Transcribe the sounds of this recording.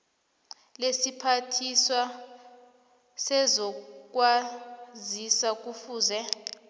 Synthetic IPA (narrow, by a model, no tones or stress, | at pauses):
lesipʰatʰiswa | sɛzɔk̬ʼwazisak̬ufuːzɛ